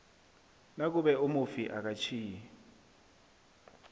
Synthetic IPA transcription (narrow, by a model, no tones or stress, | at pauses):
nak̬uɓɛumufiʔak̬ʼat͡ʃʰiːjɛɛ